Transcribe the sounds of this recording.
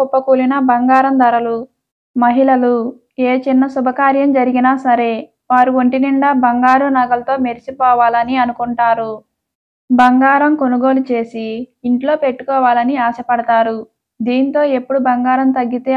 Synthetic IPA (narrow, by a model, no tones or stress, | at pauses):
upːɐkuːlinɐbɐŋɡaːɾɐmd̪ɐɾɐlu | mɐɦilɐlu | eːt͡ʃinːɐsubʱɐkaːɾjɐmd͡ʒɐɾiɡinaːsɐɾe̞ː | ʋaːɾuʋoɳʈiniɳɖɐbɐŋɡaːɾunɐɡɐlɐt̪o̞ːmeɾit͡ʃipɔːʋaːlɐniɐnukuɳʈaːɾu | bɐŋɡaːɾɐmko̞nuɡo̞ːlut͡ʃe̞ːsiːɳʈlo̞ːpe̞ʈːu̥kɔːʋaːlɐniaːsɐpɐɽɐt̪aːɾu | d̪iːnit̪o̞ːe̞pːuɽubɐŋɡaːɾɐmt̪ɐɡːit̪eː